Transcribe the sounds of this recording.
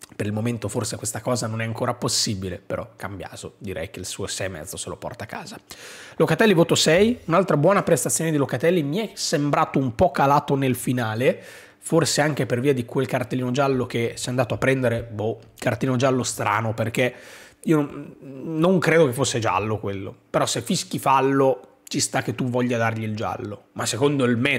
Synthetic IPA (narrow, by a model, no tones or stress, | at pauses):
peɾilmoment̪oforsekwest̪akɔːzanonɛaŋkoːɾaposːiːbilepeɾɔkambja̰ːzod̪iɾʔɛ̰jkeilsuːosɛjmɛ̰d̪zoselo̰pɔ̰rt̪akːa̰ːzalokat̪ɛlːivoːt̪osɛjunalt̪ɾabwɔːnapɾest̪at̪sːjoːned̪ilokat̪ɛlːimiɛsembɾaːt̪oumpɔkalaːt̪onelfinaːle | forseaŋk̟eperviːad̪ikwelkart̪elːinod͡ʒalːokesɛjand̪aːt̪oapːɾɛnd̪eɾebokart̪elinod͡ʒalːost̪ɾa̰ːnoperk̟eiːo | noŋkɾeːd̪okefːosːed͡ʒa̰lːokwelːo̰peɾɔsefːisk̟ifalːo | t͡ʃist̪akːet̪ːuvɔʎːad̪arʎild͡ʒa̰lːomasːekond̪oilmɛ